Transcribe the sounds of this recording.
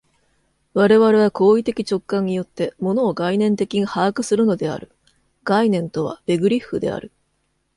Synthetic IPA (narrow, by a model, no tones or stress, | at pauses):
βaɾe̞βaɾe̞β̞ako̞ːit̪e̞kʲit͡ɕo̞kːãɲ̟ːijo̞t̪ːe̞mo̞no̞ːɡainẽ̞nt̪e̞kʲiɲ̟ihaːkɯ̟sɨɾɯ̟no̞d̪e̞a̰ɾɯ̟ | ɡ̥ainẽ̞nt̪o̞βa̰b̥e̞ɡɯ̟ɾʲiɸːɯ̟d̪e̞̰a̰ɾɯ̟